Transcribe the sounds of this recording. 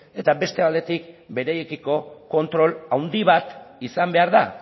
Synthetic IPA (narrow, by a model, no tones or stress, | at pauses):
e̞t̪abe̞st̪e̞ald̪e̞t̪ikbe̞ɾejekiko̞ko̞nt̪ɾo̞lawnd̪iβat̪isambe̞aɾða